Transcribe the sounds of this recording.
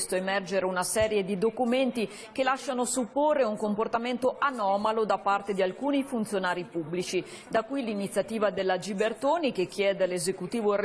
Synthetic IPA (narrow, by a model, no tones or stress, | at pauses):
st̪oemɛrd͡ʒeɾeunasɛːɾjed̪id̪okument̪i | kelaʃːanosupːorːeuŋkomport̪ament̪oʔanɔːmalod̪apart̪ed̪ialkuːnifunt̪sjonaːɾipubːlit͡ʃi | d̪akuijlinit̪sjat̪iːvad̪elːad͡ʒibert̪oːnikek̟ʰːjɛːd̪ealezekut̪iːvor